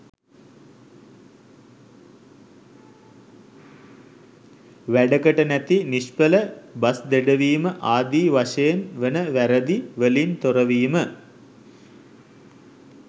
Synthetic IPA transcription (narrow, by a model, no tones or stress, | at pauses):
ʋæɖəkəʈənæt̪iniʃpələbasd̪eɖəʋiːməʔaːd̪iːʋaʂejenʋenəʋæɾəd̪iʋəlint̪oɾəʋiːmə